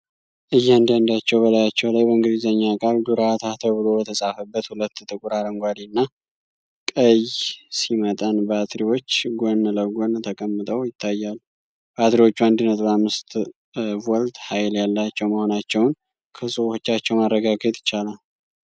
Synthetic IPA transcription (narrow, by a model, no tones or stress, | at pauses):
ʔɨjːand̪and̪at͡ʃːɛwbəlajat͡ʃːɛwlajbəɨŋɡɨd̪izəɲːakʼald̪uɾat̪ʰat̪ʰəβɨlo̞bət̪ʰəsʼafəbːət̪hulət̪ːt̪ʼɨkʼuɾad̪əŋɡʷad̪inːa | kʼəjsimət̪ʼənbat̪ɾiwo̞t͡ʃːɡonləɡont̪ʰəkʼəmːɨt̪ʼəwjɪt̪ʰːajːal | bat̪ɾiwo̞t͡ʃːuand̪ɨnət̪ʼbamːɨst̪ | wɔlt̪hajljalːat͡ʃːɛwməho̞nat͡ʃːɛwn | kʰəsʼuwot͡ʃːat͡ʃːɛwmarːəɡaɡət̪ʼɪ̥t͡ʃːalal